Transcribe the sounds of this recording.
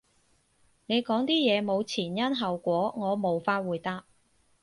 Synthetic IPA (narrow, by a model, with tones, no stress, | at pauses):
ne˨˧jkɔː˨˥ŋt̪iː˥jɛː˨˧mo˨˧wt͡sʰiː˨˩njɐ˥nɦɐ˨wkʷɔː˨˥ŋɔː˨˧mo˨˧wfaː˧t̚wuː˨jt̪aː˥p̚